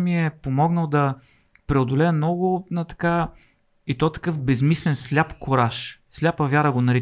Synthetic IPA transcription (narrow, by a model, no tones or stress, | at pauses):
miɛpomɔɡnəlˠd̪ɐ | pɾɛod̪olɛjəmnɔɡʊnɐt̪ɐ̥ka | it̪ɔt̪ɐ̥kɤfbɛzmislɛnslʲapkoɾaʃslʲapɐvʲjaɾəɡonɐɾɛ